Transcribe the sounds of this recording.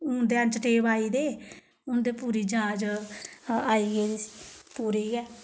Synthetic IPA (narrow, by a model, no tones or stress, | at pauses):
ʊnd̪eːãnt͡ʃəʈeːbaːiːd̪eː | ʊnd̪eːpuːɾiːd͡ʒãːd͡ʒ | aːiːɡeːd̪eːsi̥ːpuːɾiːɡɛː